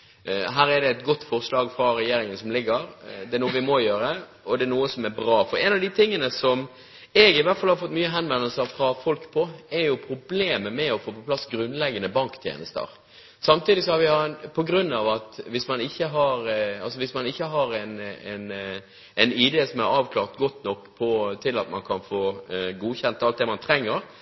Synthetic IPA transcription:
ɦæːɾɛd̪ɛːt̪ɡɔt̪ːfɔʁslɑːɡfɾɑɾɛjeːɾɪŋənsɔmlɪɡːəɾd̪ɛæɾnuːəʋɪmɔjøːɾə | ɔd̪ɛæɾnuːəsɔmæɾbɾɑːfɔɾɛnɑʋd̪ɪt̪ʰɪŋːənəsɔm | ɛɡɪʋæɾt̪fɑlhɑɾfɔt̪ːmyːəɦɛnʋɛnəlsəɾfɾɑfɔlkpʰɔɛɾjʊpʰɾʊbleːməmɛɔfoːpɔpʰlɑsɡɾʉnːlɛɡːənəbɑŋkt̪ʰjḛːnəst̪ə̰ɾ | sɑmt̪iːd̪ɪsɔhɑɾʋɪɑnpʰɔɡɾʉnːɑʋɑt̪ʋɪsmɑnɪçːəɦɑɾɑlsɔʋɪsmɑnɪçːəɦɑɾɛɪnɛ̰n | ɛɪnɪd̪eːsɔmæɾɑːʋkʰlɑːʁt̪ɡɔt̪ːnɔkːpʰɔt̪ʰɪlɑ̰t̪mɑ̰nkʰɑnfoːɡuːçɛnt̪ɑlt̪̚d̪ɛmɑnt̪ʰɾɛŋːəɾ

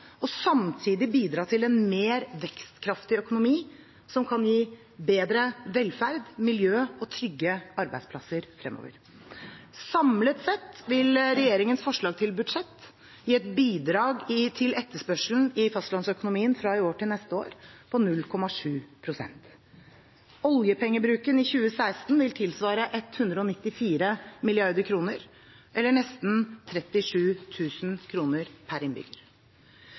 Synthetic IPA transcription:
ɔsɑmt̪ʰiːd̪ɪbiːd̪ɾɑːt̪ʰɪlɛnmeːɾʋɛkst̪kʰɾɑft̪ɪœkʊnʊmiː | sɔmkʰɑnjiː | beːd̪ɾəʋɛlfæɾd̪mɪljøːɔt̪ʰɾʏɡːəɑɾbæɪd̪splɑsəɾfɾɛ̰mʔo̰ːʋə̰ɾ | sɑmlət̪sɛt̪ːʋɪlɾɛjeːɾɪŋənsfɔʂɭɑːɡ̚t̪ʰɪlbʉd̪ʂɛt̪ː | jiːɛt̪biːd̪ɾɑːɡt̪ʰɪlɛt̪ːəʂpœʂln̩ɪfɑst̪lɑnsœkʊnʊmiːənfɾɑɪoːʈɪlnɛst̪əo̰ːɾpʰɔnʉlːkʰɔmɑʂʉːpʰɾʊsɛ̰nt̪ | ɔljəpʰɛŋːəbɾʉːkənɪçʉːəsæɪst̪n̩ʋɪlt̪ʰɪlsʋɑːɾəʔɛt̪hʉnd̪ɾəɔnɪt̪ːɪfiːɾəmɪlɪɑɾd̪əkʰɾuːnəɾ | ʔɛlːəɳɛst̪nt̪ʰɾɛt̪ːɪʂʉːt̪ʰʉːsnkʰɾuːnəɾpʰæɾɪnbʏ̰ɡəɾ

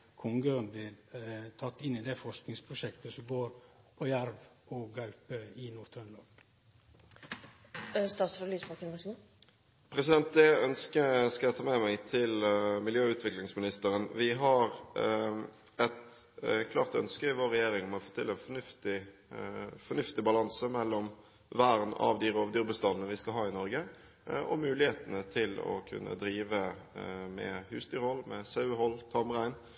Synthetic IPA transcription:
kʰɔŋɡønblɪt̪ʰɑt̪ːɪnːɪd̪ɛfɔʂknɪŋspʰɾʊʃɛkt̪əsɔmɡoːɾpʰɔjæɾʋɔɡɑʉpəɪnʊɾt̪ʰɾənlɑ | st̪ɑːt̪sɑliːsbɑkɪnʋɑsi | pʰɾɛsɪd̪ɛnt̪̚d̪ɛœnskəskɑəjæɪt̪ʰɑːmɛmæɪt̪ʰɪlmɪljøːʉːt̪ʰʋɪklɪŋsmɪnɪst̪əɾənʋɪɦɑɾ | ɛt̪kʰlɑ̰ːʁt̪œ̰nskəɪʋoːɾːɛjeːɾɪŋɔmɔfoːt̪ʰɪlːəɛnfɔnʉft̪ɪ | fɔnʉft̪ɪbɑlɑnsəmɛlːɔm | ʋæːɾnɑ̰ʋd̪iɾoːʋd̪yːɾbəst̪ɑnənəʋɪskɑlɦɑːɪnɔɾɡə | ʔɔmʉːlɪheːt̪ənət̪ʰɪlɔ̰kʰʉ̰nːʔə̰d̪ɾiːʋəmɛ̰hʉːsd̪yːɾhɔlmɛsɑʉhɔlt̪ʰɑmʁæɪn

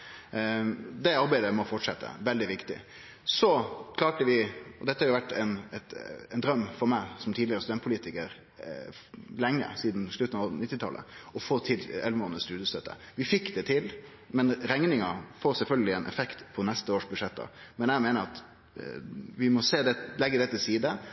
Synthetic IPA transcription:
d̪ɛɑɾbæɪd̪əmɔfɔʈʂɛt̪ːə̰ʋɛld̪ɪʋɪkt̪ɪ̰ | sɔkʰlɑːʈəʋɪɔd̪ɛt̪ːəhɑɾjʊʋæʈːɛɪnɛt̪ɛnd̪ɾœmːfɔɾmæɪsɔmt̪ʰiːd̪ɪəɾəst̪ʉdɛnt̪pʰʊliːt̪ɪkəɾ | lɛŋːə̰siːd̪n̩ʂɭʉt̪ːn̩ɑʋnɪt̪ːɪt̪ʰɑ̰lʔə̰ɔfoːt̪ʰɪlɛlʋəmoːnəst̪ʉːd̪əst̪øːt̪ːə̰ | ʋɪfɪkːd̪ɛt̪ʰɪl | mɛnɾɛŋnɪŋɑfoːɾsɛlfœlɡəlɪɛnʔɛ̰fɛkt̪pʰɔnɛst̪əoːʂbʉd̪ʂɛt̪̚d̪ɑ̰mɛnjæɪmeːnəɾɑt̪ | ʋɪmɔseːd̪ɛlɛɡːəd̪ɛt̪ːəsiːd̪ə

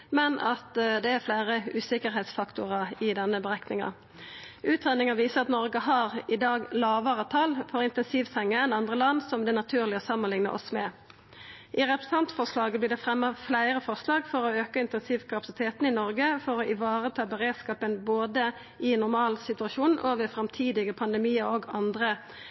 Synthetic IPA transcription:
mɛnʔɑt̪d̪ɛæʁflæɪʁəʉːsɪkəʁɦɛːt̪sfɑkt̪ʊʁɑɪd̪ɛnːəbəʁæknɪŋɑ̰ | ʔʉːt̪ʁænɪŋɑʋiːsəɑt̪nɔʁɡəɦɑʁɪd̪ɑːɡlɑːʋəʁət̪ʰɑlfɔɾɪnt̪ɛnsiːʋsɛŋːəɛnɑnd̪ʁəlɑnd̪sɔmd̪ɛnɑt̪ʰʉːʁlɪɔsɑmːənlɪŋnə̰ʔɔ̰smɛ | ʔɪʁɛpʁəssɑnt̪fɔʁʂlɑːɡəbliːd̪ɛfʁɛmːəflæɪʁəfɔʁʂlɑːɡfɔʁɔøːkəɪnt̪ɛnsiːʋkʰɑpɑ̥sɪt̪ʰeːt̪n̩ɪnɔʁɡəfɔʁɔʔɪʋɑːʁət̪ʰɑːbəʁeːd̪skɑːpənboːd̪ə | ɪnʊʁmɑːlsɪt̪ʉɑʃuːnʔoːʋəfɾɑmt̪ʰiːd̪ɪɡəpʰɑnd̪əmiːəɾoɡɑnd̪ʁə

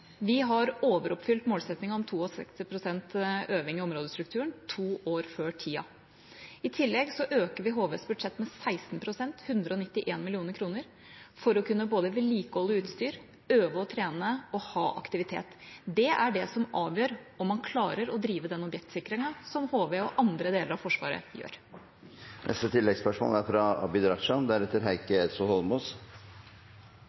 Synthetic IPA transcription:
ʋɪɦɑɾoːʋəɾɔpːfʏlt̪moːlsɛt̪nɪŋɑɔmt̪ʰuːɔsɛ̰kst̪ɪpʰɾʊsɛnt̪øːʋɪŋɪɔmɾoːd̪əst̪ɾʉk̚t̪ʰʉːəɳt̪ʰuːʔoːɾføːʈʰiːɑ̰ | ɪt̪ʰɪlːɛɡsɔʔøːkəɾʋɪɦoːʋɛsbʉd̪ʂɛt̪ːmɛsæɪst̪npʰɾʊsɛnt̪hʉnd̪ɾəɔnɪt̪ːɪʔeːnmɪlɪuːnəɾkʰɾuːnəɾ | fɔɾɔkʰʉnːəboːd̪əʋɛliːkəɔləʉːt̪st̪yːɾ | øːʋəɔt̪ʰɾeːnəɔhɑːʔɑ̰kt̪ɪʋɪt̪ʰḛːt̪d̪ɛæɖɛsɔmʔɑːʋjøːɾɔmːɑnkʰlɑːɾəɾɔd̪ɾiːʋəd̪ɛnɔbjɛk̚t̪sɪkɾɪŋɑsɔmhoːʋeɔʔɑnd̪ɾəd̪eːləɾɑʋfɔʂʋɑ̰ːɾə̰jø̰ːɾ | nʔɛ̰st̪ət̪ʰɪlːɛɡspœʂmo̰læɾfɾɑɑ̰bɪd̪ɾɑʂɑd̪æɾɛt̪ːəɾɦæɪkəɛsɔhɔlmuːs

